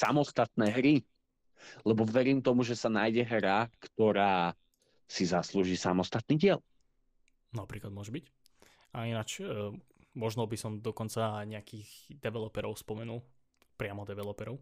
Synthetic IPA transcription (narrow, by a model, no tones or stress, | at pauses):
sa̰mɔst̪at̪nɛːɦɾi | lɛbɔʋɛɾiːmt̪ɔmuʒɛsanajɟɛɦɾakt̪ɔɾaː | sizasluʒiːsa̰mɔst̪at̪̚niːɟɪɛl | napɾiːklad̪mʊɔʒɛbic | ainat͡ʃː | mɔʒnɔbisɔmd̪ɔkɔnt͡saɲɛakiːɣd̪ɛʋɛlɔpɛɾɔʊspɔmɛnulˠ | pɾɪamɔd̪ɛʋɛlɔpɛɾɔʊ